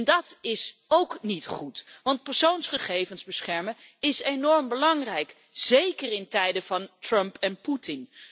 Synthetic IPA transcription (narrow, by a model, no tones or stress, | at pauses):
ndɑtɪsowknitχutʋɑnt̚pɛɹsownsχəχejvənzbəsχɛɹməɪsenɔɹmbəlɑŋrɛjk | z̥ejkərɪntɛjdəvɑntrɵmpɛnputɪn